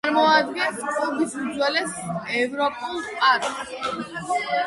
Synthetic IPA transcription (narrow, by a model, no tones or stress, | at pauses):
ɾmɔad̪̚ɡɛnssɔɡisud̪zwɛlɛsɛvɾɔpʼulˠpʼad̪